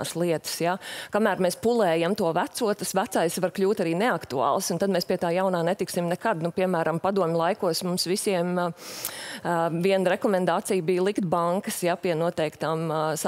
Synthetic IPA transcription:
slˠiɛt̪ə̥sjakamæːɾmɛːspulˠɛːjamt̪uɔʋæt̪suɔtt̪asʋæt̪sajsʋaɾklʲuːt̪aɾiːnɛakt̪uɑ̰ːlˠsʊnt̪ad̪̚mɛspiɛt̪aːjaʊnaːnet̪iksimnɛkad̪nupiɛmæːɾɐmpad̪uɔmʲlˠajkuɔsmumsʋisiɛm | viɛnɾɛkɔmɛ̃nd̪aːt̪sijbijlˠikt̪̚baŋkəsjapiɛnuɔt̪ɛɪkt̪aːms

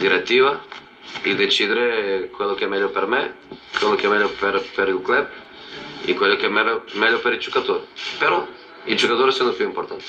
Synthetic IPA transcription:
d̪iɾɛt̪ːivɐ | id̪et͡ʃid̪eɾekwɛlˠokɛmɛʎɔpɛɾmɛkwɛlokɛmɛʎopɛɾpɛɾilklɛp̚ | ḭkwɛlokɛmɛmɛʎɔpɛɾid͡ʒukat̪oɾipɛɾɔ | id͡ʒukat̪oɾsɛnopjuimpoɾt̪ant̪

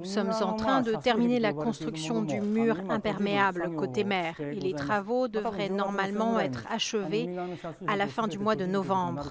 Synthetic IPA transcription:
usɔmzɑ̃t̪χɛ̃d̪ət̪ɛʁminelakɔ̃st̪χyksjɔ̃d̪ymyʁɛ̃pɛʁmeablkot̪emɛːʁelet̪χavod̪əvʁɛnɔʁmalmɑ̃ɛt̪χaʃəvealafɛ̃d̪ymwad̪ənɔvɑ̃bʁ

